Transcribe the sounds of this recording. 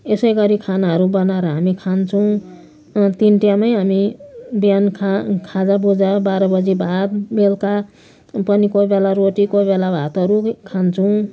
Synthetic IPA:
esʌjɡʌɾikʰanaɦʌɾubʌnaɾʌɦamikʰant͡sʰʌw̃ | t̪inʈijamʌjɦamibjankʰakʰad͡zabud͡zabaɾʌbʌd͡zibʱat̪belka | pʌnikobelaɾoʈikobelabʱat̪ɦʌɾukʰant͡sʰʌw̃

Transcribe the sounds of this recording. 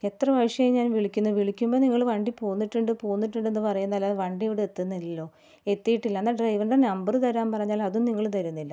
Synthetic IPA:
e̞t̪rɐʋɐjʂjɐjmɲaːnʋiɭikʲːunːuʋiɭikʲːumboːniŋːɐɭʋɐɳɖipoːnːiʈːuɳɖɨpoːnːiʈːuɳɖenːɨpɐrɐjunːɐɐlːaːʋɐɳɖieʋiɽeet̪ːunːɐlːo̞ː | e̞t̪ːijiʈːilːɐnːaɖrɐjʋɐnɖenɐmbɐrɨt̪ɐɾaːmpɐrɐɲːaːlɐðumniŋːɐɭt̪ɐɾunːilːɐ

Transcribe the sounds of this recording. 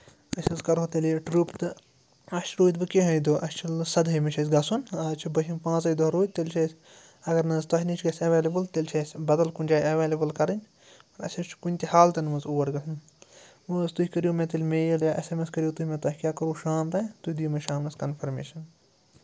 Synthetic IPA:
kɐsʲɐzkɐɾɦot̪ɐliʈɾupt̪ɨ | ɐʃt͡ʃɾoːjt̪̚bɨkʲeɦɐjd̪oʔɐst͡ʃʰɐlsɐd̪ɦɐmɐt͡ʃʰɐsɡɐsunɐt͡ʃʰibɐɦʲimpãːt͡sɐjd̪oɾoːt̪elʲt͡ʃʰɐːsʲ | ɐɡɐɾnɐzt̪ɐɦʲnit͡ʃʰɡɐsʲɐʋeːlebɨlt̪elʲt͡ʃʰɐsʲbɐd̪ɐlkunʲd͡ʒaːɐʋeːlebɨlkɐɾɨnʲ | pɐɾɐ̰sʲɐst͡ʃʰkunʲt̪ʲihaːlt̪ɐnmɐzuːɐɾɡɐsʰn | mɨːzt̪uɦikɐɾijomẽt̪ɐlʲmeːjɐljaʔesemeskɐɾijoːt̪uhʲimẽt̪ɐɦʲikʲjaːkɐɾuːʃaːmt̪ɐ̃t̪uhʲid̪ujumɐʃaːmnɐskɐnpʰɐɾmeːʃɐn

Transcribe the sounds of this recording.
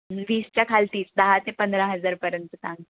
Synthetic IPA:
ʋiːst͡ɕjakʰalt̪iːt͡sd̪əɦat̪ẽpənd̪ɾaɦəd͡zaɾpəɾjənt̪ət̪ãŋ

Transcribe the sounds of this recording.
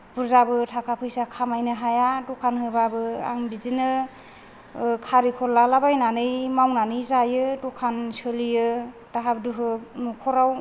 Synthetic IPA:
b̥uɾzabɯtʰakʰapʰɯjsakʰamajnɯɦajadukʰanhɯbabɯa̰ŋbizinɯ | kʰaɾikʰɔɾlalabajnanɯjmawnanɯjzajɯdukʰansɯlijɯ | d̥aɦab̚duɦɯnukʰɔɾaw

